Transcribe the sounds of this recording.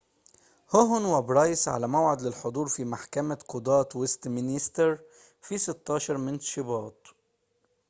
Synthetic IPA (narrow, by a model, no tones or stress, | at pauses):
hʊɦʊnwabɾˤɑːjsʕa̰lamawʕɪd̪lɪlħʊd̪ˤuːɾˤfimaħkamaqʊd̪ɑːt̪wɪst̪mɪnist̪ɪɾ | fisɪt̪ːɑːʃɑɾˤmɪnt̪ʃɪbɑːt̪